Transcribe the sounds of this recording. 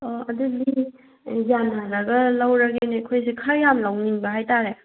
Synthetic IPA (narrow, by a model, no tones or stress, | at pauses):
ɔɐduli | zanaɾɐɡɐlɐwɾɐɡinekʰojsikʰɐjamlawniŋbɐɦajtaɾe